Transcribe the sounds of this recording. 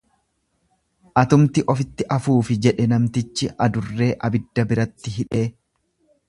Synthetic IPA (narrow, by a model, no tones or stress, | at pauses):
ʔɐt̪ʊmt̪ɪʔɔfɪt̪ːɪʔɐfuːfɪd͡ʒɛᶑɛnɐmt̪ɪt͡ʃːɪɐd̪ʊrːe̞ːʔɐbɪd̪ːɐbɪɾɐt̪ːɪɦɪᶑe̞ː